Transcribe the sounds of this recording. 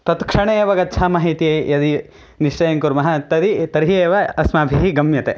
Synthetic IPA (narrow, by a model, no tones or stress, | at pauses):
t̪ɐt̪kʂɐɳeːʋɐɡɐtːt͡ʃʰaːmɐːɦit̪iejɐd̪i | niʂʈɐjɐŋkuɾmɐɦɐt̪ɐd̪it̪ɐɾɦieːʋɐɐsmaːbʱiɦiɡɐmjɐt̪e